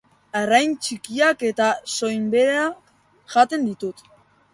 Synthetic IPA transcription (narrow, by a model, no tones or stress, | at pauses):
arajnt͡ʃikiake̞t̪aso̞jmbe̞ɾea | ʝat̪e̞nd̪it̪ut̪